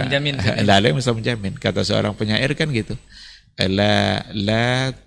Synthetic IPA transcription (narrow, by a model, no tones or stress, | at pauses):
d͡ʒamɪndalɛmisalməɲd͡ʒamɪnkat̪asəo̰ɾaŋpəɲaʔɪrkanɡit̪u | əlala